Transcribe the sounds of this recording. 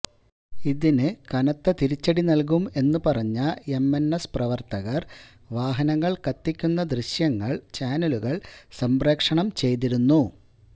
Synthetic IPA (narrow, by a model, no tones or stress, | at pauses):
iðinɨkɐnɐt̪ːɐt̪iɾit͡ɕːɐɽinɐlk̬ume̞nːupɐrɐɲːɐe̞mːenːɐsprɐʋɐrt̪ɐɣɐr | ʋaːɦɐnɐŋːɐɭkɐt̪ːikʲːunːɐd̪riɕjɐŋːɐɭt͡ɕaːnɐluɣɐɭsɐmbreːkʂɐɳɐmt͡ɕe̞jt̪̬iɾunːu